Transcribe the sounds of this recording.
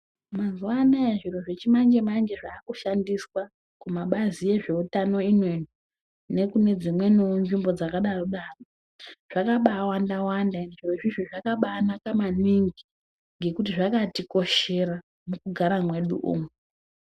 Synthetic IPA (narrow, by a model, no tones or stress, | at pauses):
mazuwanaeʐiro̞ʐet͡ʃimand͡ʒe̞maŋd͡ʒe̞ʐaːkuʃandiswa | kumaɓazije̞ʐe̞utano̞inweɲu | ne̞kune̞d͡zimwe̞nonʐimbo̞d͡zakaɗaroɗaro | ʐ̥akaɓaːwandawandanʐiro̞ʐiʐoʐakaɓaːnakamaniŋɡi | ŋɡe̞kut̬iʐakatiko̞ʃe̞ɾa | mukuɡʱaɾamwe̞ɗṵʔṵːmwe